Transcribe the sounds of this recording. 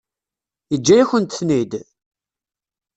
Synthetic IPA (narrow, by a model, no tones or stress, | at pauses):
əd͡ʒːæjæçənt̪θnid̪